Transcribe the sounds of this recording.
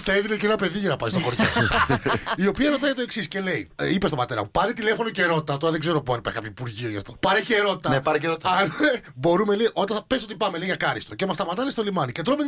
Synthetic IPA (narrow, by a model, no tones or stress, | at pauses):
teðinecenɐpe̞ðiʝɐnɐpɐsist̪oxoɾtɐ | io̞piɐɾo̞t̪ɐjʝɐt̪o̞e̞ksisce̞le̞iipest̪bɐt̪eɾɐ̰mopɐnet̪ilefo̞noceɾo̞t̪it̪ɐt̪o̞ɾɐðeɡze̞ɾopuɐnipɐskɐpçoipuɾʝioʝɐft̪o̞pɐɾeceɾo̞t̪i̥t̪ɐnepɐɾeeɾot̪ɐnebo̞ɾumeleʔo̞t̪ɐpeso̞t̪ipɐmeleiʝɐkɐɾist̪o̞cemɐst̪ɐmɐt̪ɐnest̪o̞limɐnicet̪ɾome